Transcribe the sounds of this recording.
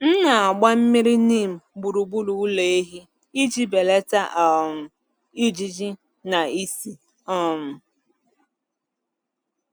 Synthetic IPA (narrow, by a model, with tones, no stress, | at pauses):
n̩˦na˨a˨ɡ͡ba˦m̩˦mi˦ɾi˦niː˦˨m̩˨bu˨ɾu˨bu˦lu˨u˦le˨e˦ɦi˦ | i˦d͡ʒi˦be˨le˦ta˦ʔɔ˨m̩˨ | i˦d͡ʒi˦d͡ʒi˦ | na˨i˦si˨ | ɔ˦m̩˨